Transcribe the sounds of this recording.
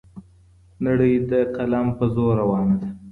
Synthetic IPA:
naɽəjd̪əqalampəzoɾawɑnad̪a

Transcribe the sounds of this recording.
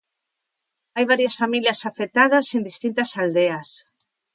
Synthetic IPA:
ajβ̞aɾjɐsfamiljɐsafek̚t̪aðɐsend̪ist̪int̪ɐsald̪eɐs

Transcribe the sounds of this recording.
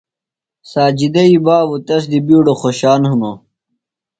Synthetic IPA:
saːd͡ʑid̪ɐibaːbut̪ɐs̬d̪ibiːɖoxoɕaːnhuno

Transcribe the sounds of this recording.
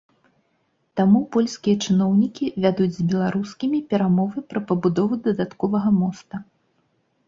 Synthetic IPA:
t̪amupɔlʲsʲkʲijɐt͡ʂɨnɔwnʲikʲivʲad̪ud͡zʲzʲbʲɛlˠaɾuskʲimʲipʲɛɾamɔvɨpɾɐpɐbud̪ɔvud̪ɐd̪at̪kɔvɐɣɐmɔst̪ɐ

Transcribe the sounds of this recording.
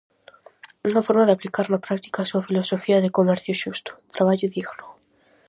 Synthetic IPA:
uŋɐfɔɾmaðɪaplikaɾnapɾak̚t̪i̥kaːsuɐfilosofiɐðɪkomɛɾθjʊʃust̪ʊ̥t̪ɾaβ̞aʎʊðiɣno

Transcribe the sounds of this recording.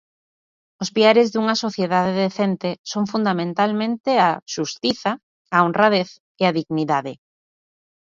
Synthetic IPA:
ospiaɾezðuŋɐsoθjeðaðeðeθent̪esoŋfund̪amẽnt̪almẽnt̪ɪaʃust̪iθa | aonraðeθ | eaðiɣniðaðɪ

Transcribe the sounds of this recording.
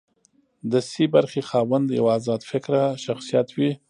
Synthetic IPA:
d̪əsibaɾxexɑwand̪ja̰waːzɑd̪fɪkɾaʃaxsijat̪wi

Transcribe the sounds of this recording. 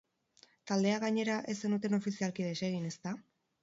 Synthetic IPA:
t̪ald̪e̞aɣaɲe̞ɾaʔe̞senut̪e̞no̞fisialkið̞e̞se̞ɣ̞ine̞st̪a

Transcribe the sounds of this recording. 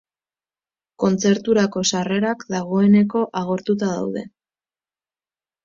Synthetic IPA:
ko̞nt͡se̞ɾt̪uɾako̞sare̞ɾakd̪aɣ̞o̞e̞ne̞ko̞ʔaɣ̞o̞ɾt̪ut̪aða̰wðe̞̰

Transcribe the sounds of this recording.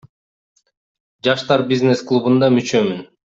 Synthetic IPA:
d͡ʒɑʃt̪ɑɾbʲiznesklˠubund̪ɑmyt͡ʃømyn

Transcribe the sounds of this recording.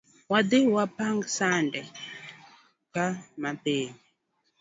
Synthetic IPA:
wad̪ewapaŋɡsandɛ | kamapeɲi

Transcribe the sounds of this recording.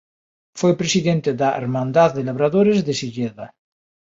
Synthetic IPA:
fejpɾesiðent̪eðaʔḛɾmãnd̪aððelaβɾaðoɾezðesiʎeða

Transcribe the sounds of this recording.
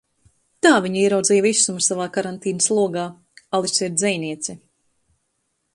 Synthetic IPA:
t̪aːviɲiɛɾawd̪zijvisːumsavaːkaɾant̪iːnaslˠuɔɡaː | alˠisiɾd̪zʲɛjniɛt̪si

